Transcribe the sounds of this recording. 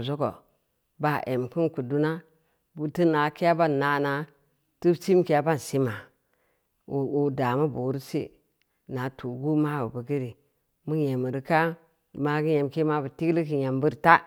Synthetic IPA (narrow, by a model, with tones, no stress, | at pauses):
zo˦ko̰˨ | ba˦˨ʔe˨m˨ki˦nku˨du˦na˦ | bu˦ti˦na˨ki˦ja˦ba˦˨na˨na˨ | tu˦t͡ʃi˦m˦ki˨ja˦ba˦n˨si˦ma˨ | u˨da˨ma˦bu˨˦ɾi˦sḭ˦ | na˨tu˨ɡu˦ma˦bu˨bə˨ɡi˦ɾi˨ | mu˦je˨mə˨ɾi˨ka˦˨ | ma˦ɡi˦je˨m˨ke˦ma˦bə˨ti˦ɡli˦ki˨ja˨mbu˦ɾta˦